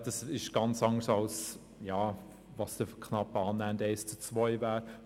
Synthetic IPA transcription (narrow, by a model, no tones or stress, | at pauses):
d̥ɑsɪʃɡ̥ɑnt͡sɑŋəsɑls | jɑː | vɑsd̥əfkʰnɑpɑːnːændeɪst͡sut͡svɔʏvæːɾ